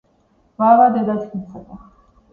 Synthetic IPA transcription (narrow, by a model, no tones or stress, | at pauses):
vavad̪ɛd̪at̪ʰinsʰɛb̪a